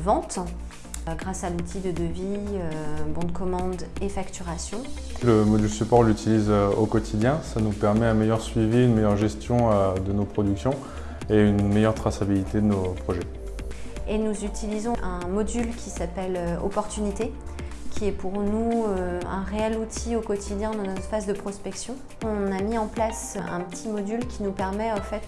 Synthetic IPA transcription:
vɑ̃t̪ | ɡʁasalut̪ʰid̪əd̪əviøbɔ̃d̪kɔmɑ̃d̪efakt̪yʁasjɔ̃ | ləmɔd̪ylsypɔʁlyt̪ʰilizøokɔt̪ʰid̪jɛ̃sanupɛʁmɛɛ̃mejœʁsɥiviynmejœʁʒɛst̪jɔ̃ød̪ənopχɔd̪yksjɔ̃ | eynmejœʁt̪χasabilit̪ed̪ənopχɔʒɛ | enuzyt̪ʰilizɔ̃ʔɛ̃mɔd̪ylkʲisapɛløɔ̰pɔʁt̪ynit̪e | kʲʰiɛpuʁnuøɛ̃ʁeɛlut̪ʰiokɔt̪ʰid̪jɛ̃d̪ɑ̃nɔfazd̪əpχɔspɛksjɔ̃ | ɔ̃namiɑ̃plasʔɛ̃pət̪ʰimɔd̪ylkʲinupɛʁmɛɑ̃fɛt̪

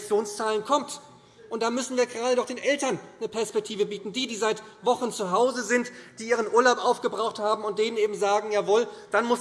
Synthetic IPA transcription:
t͡sjoːnst͡saːlənkʰɔmt | ʔʊntd̥aːmʏsn̩viːɐɡəʁaːdədɔχd̥eːnʔɛltɐnːəpʰɛɐspɛk̚tʰiːvəbiːtn̩diːdiːzaɪtvɔχn̩t͡suɦaʊzəzɪntd̥iːʔiːʁənʔuːɐlaʊpʔaʊfɡ̥əbʁaʊxthaːbm̩ʊnt̚d̥eːnənʔeːbm̩zaːɡŋ̩jaːvoːld̥anmʊs

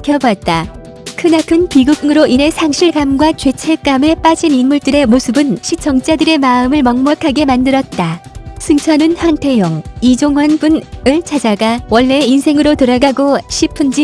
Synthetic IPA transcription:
kʰjʌbat̚t͈a | kʰɯnakʰɯnpiɡuŋɯɾoʔine̞sʰaŋɕʰiɭɡamɡwat͡ɕɥe̞t͡ɕʰek͈ame̞p͈ad͡ʑininmuɭt͈ɯɾe̞mosʰɯbɯnɕʰit͡ɕʌŋt͡ɕ͈adɯɾe̞maɯmɯɭmʌŋmʌkʰaɡe̞mandɯɾʌt̚t͈asʰɯŋt͡ɕʰʌnɯnhantʰe̞jʌŋid͡ʑoŋɦwanbunɯɭt͡ɕʰad͡ʑaɡawʌɭːeinsʰe̞ŋɯɾotoɾaɡaɡoɕʰipʰɯnd͡ʑi

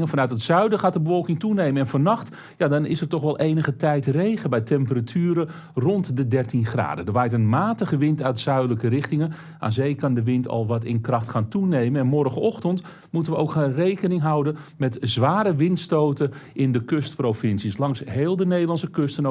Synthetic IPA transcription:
ŋəfɑnœɥtətsœɥdəχaːt̚dəbəfɔlˠkɪŋtunejmənɛnvɔnɑχt | jaːdɑnɪsəɹtɔχʋɛlˠʔejnəχətɛjtrejχəbɛjtɛmpəratʰyːɾə | rɔntdədɛrtinχra̰ːdədəʋaːjtənmaːtəχəʋɪntœɥtsœɥdələkərɪχtɪŋən | ʔa̰ːzejkɑndəʋɪntɑ̰lˠʋɑtɪ̰nkrɑχtχaːntunejmənɛnmɔrɣəɔχtənt | mutəʋəowkχaːnrejkənɪŋɦɑwdənmɛtzʋaːɾəʋɪntstowtəʔɪndəkøst̚prowfɪnsislɑŋsɦeːlˠdənejdəlɑnsəkøstəno

